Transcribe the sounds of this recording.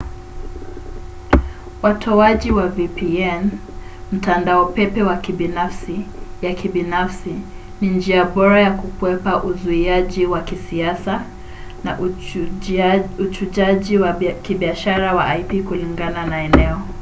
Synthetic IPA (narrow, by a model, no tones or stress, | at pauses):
watʰɔaʄiwavipiɛn | m̩tandaɔpɛpɛwakibinafsijakibinafsi | nind͡ʒiaɓɔɾajakukwɛpaʔuzuiaʄiwakisiasa | na | ut͡ʃut͡ʃaʄiwkiɓiaʃaɾawa̰ʔajpikuliŋɡananaɛnɛɔ